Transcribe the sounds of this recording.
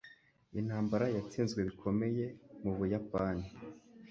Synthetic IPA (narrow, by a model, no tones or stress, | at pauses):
in̥haːmbaɾajat͡siːnzɡwe̞βikʰo̞me̞je̞muβujapaːni